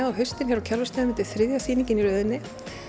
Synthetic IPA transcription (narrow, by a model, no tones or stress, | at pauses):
awɦʏɥst̪ɪnçɛɾawcʰɛɾvʏst̪ɛðmɪnt̪ɪθɾɪðjasiːniŋɲcɪniɾœːðɪnːɪ